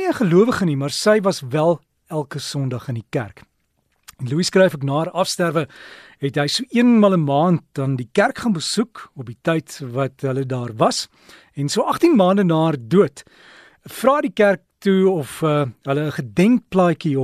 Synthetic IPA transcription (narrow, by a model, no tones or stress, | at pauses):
iəχəluəvəχənimɐrsəjvɐsvælˠ | ælˠkəsɔndɐχəndikæ̰rk | ɛnluiskrɛjfəknɑːrɐfstærvəɦɛtɦəjsuʔiənmɑlˠəmɑːnt̚dɐndikærkχɑːnbəsukɔp̚ditəjtvɐtɦələdɑːrvɐs | ɛnsuəʔɐχtinmɑːndənɑːrduət | frɑːdikærk̚tuɔfəɦələːχədɛŋk̚plɑːjkiɔ